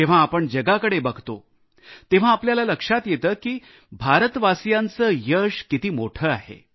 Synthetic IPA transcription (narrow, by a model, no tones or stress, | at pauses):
eʋ̤ãːpəɳd͡ʑəɡakəɽebəɡʱt̪o | t̪eʋ̤aːpljalaləkʂat̪jet̪əːkiː | bʱaɾət̪ʋasjant͡səjəʂkit̪iːmoʈʰəːa̰ɦḛ